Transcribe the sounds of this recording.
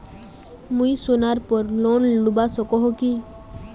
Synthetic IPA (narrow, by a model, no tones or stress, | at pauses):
mũisonaɾpɔɾlonlubasɔkɔɦoki